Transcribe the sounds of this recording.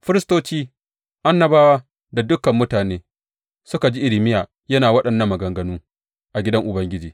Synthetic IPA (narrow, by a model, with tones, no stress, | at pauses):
ɸɪ˦ɾɪ˦stoː˦t͡ʃiː˦ | ʔa˦nːɐ˨baː˦waː˦ | da˨dʊ˦kɐ˨mːʊ˦taː˨neː˦ | sʊ˦ka˨d͡ʒi˦ʔɪ˨lɪ˨mɪ˦jaː˨ | jɐ˦naː˨wɐ˦ɗɐ˨nːɐ˦mːɐ˨ɡɐ˨ŋɡɐ˨nuː˦ | ʔa˨ɡʲɪ˦dɐ˦ŋʔʊ˨bɐ˦ŋɡʲɪ˦d͡ʒiː˨